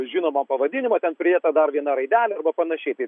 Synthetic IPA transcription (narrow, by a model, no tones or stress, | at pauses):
ʒʲɪːnoːmɐmpɐʋɐd̪ʲɪnʲɪmɐt̪ʲɛnpʲɾʲɪdeːt̪ɐd̪ɐrʋʲiɛnɐɾɐɪd̪ʲæːlʲɛɐɾbɐpɐnɐʃʲɛɪt̪ɐɪ